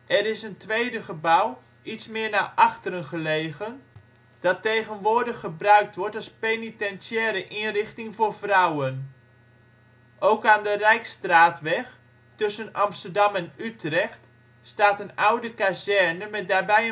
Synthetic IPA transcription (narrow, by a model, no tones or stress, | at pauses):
ɛɾɪsəntʋejdəχəbaw | itsmɪːɹnaːʔɑxtəɾənχəleːɣən | d̥ɑtejɣənʋʊːɹdəχːəbrœɥk̚tʋɔɹtɑlˠspenitɛnsjɛːləʔinrɪχtɪŋvʊːrvrawən | ʔowkaːndərɛjkstraːtʋɛx | tɵsənɑmstəɹdɑmɛnytrɛxt | staːtənawdəkazɛrnəmɛt̚daːbɛjə